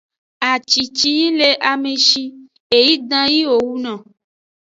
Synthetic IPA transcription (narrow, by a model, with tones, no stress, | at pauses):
a˨t͡ʃi˨t͡ʃi˦ji˦le˨ʔa˨mẽ˨ʃi˧ | e˨ji˦dã˦ji˦wo˨wu˦nɔ̃˨